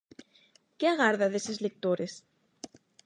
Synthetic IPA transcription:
keaɣaɾðaðesezlek̚t̪oɾes

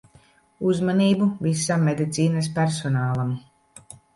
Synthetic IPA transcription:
uzmaniːbuvisamːed̪it̪siːnaspæɾsɔnaːlˠam

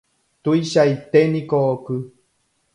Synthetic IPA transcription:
t̪ujʃajt̪enĩkoʔokɨ

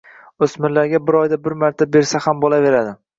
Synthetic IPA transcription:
ɵsmɪɾlaɾɡʲabɪɾɒjd̪abɪɾmaɾt̪ʰabe̞ɾsahambolˠave̞ɾad̪ɪ

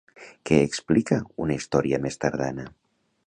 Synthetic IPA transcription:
kɛːksplikəunəist̪ɔɾiəmest̪aɾða̰nə

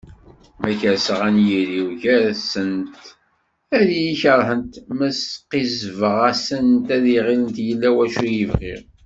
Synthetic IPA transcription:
mæçæsəʁænjiɾiwʝæɾsənt̪ | æɾijiçəɾˤħənt̪mæsqizvəʁæsənt̪æðiʁilənt̪jəlːæwæʃujivʁḭɾ

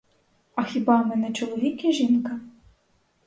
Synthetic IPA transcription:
ɐxʲibɑmɛnɛt͡ʃɔlˠɔʋʲikʲiʒinkɐ

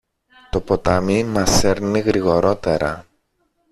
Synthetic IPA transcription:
t̪o̞po̞t̪ɐmimɐseɾniɣɾiɣo̞ɾo̞t̪e̞ɾɐ̰

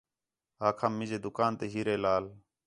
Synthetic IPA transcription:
aːkʰaːmːɪzeːd̪ʊkaːnt̪eːɦiːɾeːlaːl

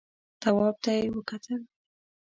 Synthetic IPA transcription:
t̪awɑb̚t̪ajewəkat̪ʰəl

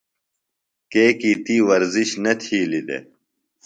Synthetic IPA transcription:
keːkit̪iːwɐɾziɕnɐt̪ʰiːlid̪ḛ

